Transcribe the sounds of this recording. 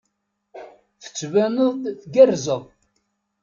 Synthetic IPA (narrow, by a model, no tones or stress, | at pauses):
θə̥t͡sːvænəðˤθɡærzəðˤ